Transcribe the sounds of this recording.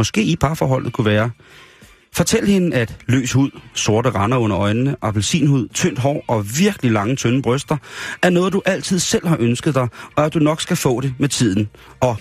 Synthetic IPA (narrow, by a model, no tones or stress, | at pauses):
ɒ̽sɡ̥e̝̰ːipʰɑ̈fɒ̰ːɦɒ̽l̰ð̩ˠkʰuʋæːɐ | fɒ̽t͡sʰel̰əhe̝nəæd̥lø̰ːshuð̞̰ˠso̝ɐɾəʁɑ̈nɐɔ̽n̰ɐɒ̽ɪnənəʔɒ̽b̥elsḭːnhuð̞̰ˠt͡sʰøn̰d̥ɦɒ̰ːɒ̽ʋiɐɡ̥əlilɑ̈ŋət͡sʰønəb̥ʁœsd̥ɐʔæɐnɔːð̞̩ˠd̥uʔæl̰t͡sʰið̞̰ˠsel̰ɦɑ̈ʔønsɡ̥əð̞̩ˠd̥ɑ̈ɪɒ̽æd̥unɒ̽ɡ̥sɡ̥æfɔ̰̽ːɾ̥e̝met͡sʰið̞̰ˠn̩ | ɒ̽